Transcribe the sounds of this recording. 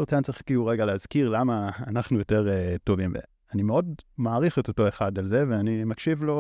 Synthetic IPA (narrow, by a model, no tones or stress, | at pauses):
t͡sant͡siχkiuʁeɡaleazkiʁlamaːnaχnujo̞te̞ʁeto̞vimvḛ | animeo̞dmaːʁiχetoto̞eχadalze̞ve̞animakʃivlo̞